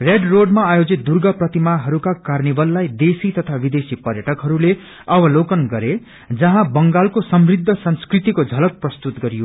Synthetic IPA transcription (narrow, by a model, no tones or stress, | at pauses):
reɖroɖmaːjod͡zit̪̚d̪urɡʌprʌt̪imaɦʌɾukakarnibʌlːajd̪esit̪ʌt̪ʰabid̪esipʌɾjʌʈʌkɦʌɾule | ʌbʌlokʌnɡʌɾe | d͡zʌɦãbʌŋɡalkosʌmrid̪ʱːʌsʌnskrit̪ikod͡zʱʌlʌk̪̚prʌst̪ut̪ɡʌɾijo